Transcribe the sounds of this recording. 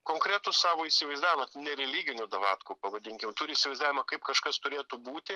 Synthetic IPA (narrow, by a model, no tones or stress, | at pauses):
koːŋkɾʲæt̪ʊssɑːʋoːisʲɪʋɐɪzd̪aːʋʲɪmɐnʲɛɾʲɛlʲiːɡʲɪnʲʊd̪ɐʋɑ̰ːt̪kʊpɐʋɐd̪ʲɪŋʲkʲɪmt̪ʊɾʲɪisʲɪʋɐɪzd̪aːʋʲɪmɐkɐɪpkɐʃkɐst̪ʊɾʲeːt̪ubuːt̪ʲɪ